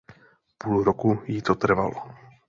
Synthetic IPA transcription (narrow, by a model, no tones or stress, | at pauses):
puːlɾokujit̪ot̪r̩va̰lo